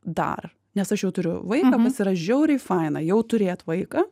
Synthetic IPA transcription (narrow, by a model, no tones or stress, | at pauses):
d̪ɐ̰r | nʲɛsɐʃjɛʊt̪ʊɾʲʊ̰ʋɐɪkɐːpɐsʲɪɾɐʒʲɛʊɾʲɛɪfɑɪnɐjɛʊt̪ʊɾʲeːt̪ʋɐɪkɐː